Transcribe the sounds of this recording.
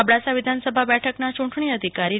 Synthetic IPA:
abɽasaʋid̪ʱansəbʱabɛʈʰəknat͡ʃuɳʈʰɳ̃iəd̪ʱikaɾi

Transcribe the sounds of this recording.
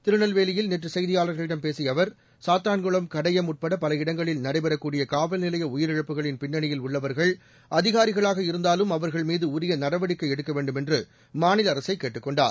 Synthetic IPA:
t̪ɪɾɯɳɐlʋeːlɪjɪlneʈrɯsɐjðɪjaːlɐɾɣɐɭɪɽɐmpeːsɪjɐʋɐɾ | saːt̪aːnɡɔɭɐmkɐɽɐjɐmʊʈ̚pɐɽɐpɐlɐɪɽɐŋɡɐɭɪlnɐɽɐɪbɐɾɐkːuːɽɪjɐkaːʋɐlnɪlɐjɐʊjɪɾɪɻɐpːɯɣɐɭɪnpɪnːɐɳɪjɪlʊɭːɐʋɐɾɣɐɭ | ʔɐðɪɣaːɾɪɣɐɭaːɣɐɪɾɯnd̪aːlɯmɐʋɐɾɣɐɭmiːðɯʊɾɪjɐnɐɽɐʋɐɽɪkːɐɪɛɽɯkːɐʋeːɳɖɯmɛndrɯ | maːnɪlɐɾɐsɐɪkːeːʈːɯkːɔɳɖa̰ːɾ

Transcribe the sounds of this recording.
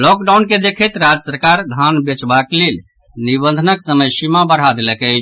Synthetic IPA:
lɔkɖawnked̪ekʰɛt̪ɾad͡ʒəsəɾkaɾd̪ʱanbet͡ʃbaklel | nibənd̪ʱənəksəməjsimabəɽɦad̪elɛkɛt͡ʃʰ

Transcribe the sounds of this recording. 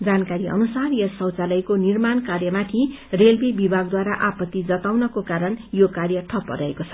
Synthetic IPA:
d͡zankaɾiʌ̰nusarjʌsʌwt͡salʌjkonirmankarjʌmat̪ʰi | relbibibʱaɡ̚d̪waɾaʔapʌt̪ːid͡zʌt̪awnʌkokaɾʌnjokarjʌʈʰʌpːʌ̰ɾʌekot͡sʰʌ̥

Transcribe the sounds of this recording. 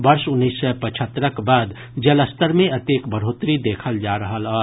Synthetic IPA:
bɐɾsʊnːiːsːɛpət͡ʃʰət̪ːɾəkbaːd̪ | d͡ʒɐləst̪əɾmẽɐt̪eːkbəɾ̤oːt̪ɾid̪eːkʰəld͡ʒaːɾəɦəlaː

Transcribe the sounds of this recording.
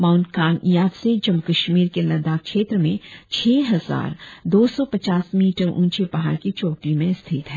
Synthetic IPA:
maːʊnkaːnjaːʋsed͡ʒɐmkɐʃmiːɾkelɐd̪aːkkʃeːt̪ɾəmẽt͡ʃʰɛːɦɐza̰ːɾd̪oːsɔpɐt͡ʃaːsmiːʈəɾṵ̃ːt͡ʃepɐɦa̰ːɾkit͡ʃoːʈimẽst̪ʰɪt̪ɦɛ

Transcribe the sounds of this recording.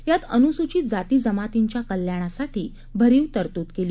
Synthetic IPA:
jat̪ənusut͡ɕiːd͡zat̪iːd͡zəmat̪iɲt͡ɕjakəljaɽ̃asaʈiː | bʱəɾiːwt̪əɾt̪uːt̪keli

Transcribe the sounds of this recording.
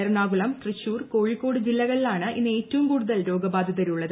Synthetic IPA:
ɐrnaːɡuɭɐmt̪riɕːuːrko̞ːɻikːo̞ːɽɨd͡ʑilːɐɣɐɭilaːɳɨʔḭnːe̞ːtːɐʋumkuːɽuðɐlɾo̞ːɡɐbaːd̪ʱiðɐɾuɭːɐðɨ

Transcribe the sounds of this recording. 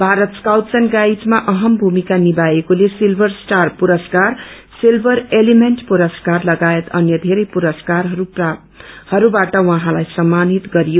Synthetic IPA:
bʱaɾʌt̪skawt̪sʌnɡajd͡zmaʔʌɦʌmbʱumikanibajekolesilbʱʌrsʈarpuɾʌskar | silbʱʌɾelimenʈpuɾʌskarlʌɡaet̪ʌnjʌd̪ʱeɾʌjpuɾʌskarɦʌɾu | hʌɾubaʈʌwʌɦãlajsʌmːanit̪ɡʌɾijo

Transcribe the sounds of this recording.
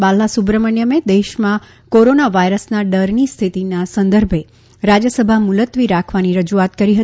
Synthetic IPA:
balːasubɾəmənjəmed̪eʃmã | koɾonaʋaiɾəsnaɖəɾnist̪ʰit̪inasənd̪əɾbʱe | ɾad͡ʒjəsəbʱamulət̪ʋiɾakʰʋaniɾəd͡ʒuat̪kəɾiɦət̪i

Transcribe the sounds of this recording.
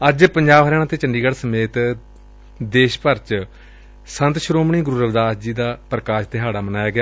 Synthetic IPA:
əd͡ʒpəɲd͡ʒaːbɦəɾãːãːt̪eːt͡ʃəɳɖiːɡəɽsəmeːt̪ | d̪eːʃpəɾt͡ʃ | sə̃nt̪ʃɾoːmɳiːɡɾuːɾəʋd̪aːsd͡ʒiːd̪aːpɾəkaːʃt̪eːɦaːɽaːmənaːjaːɡɪjaː

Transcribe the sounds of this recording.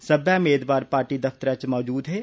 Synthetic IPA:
səbʱjameːd̪waːɾpaːɾʈid̪ɐft̪əɾət͡ʃmɔːd͡ʒuːd̪ɦɛː

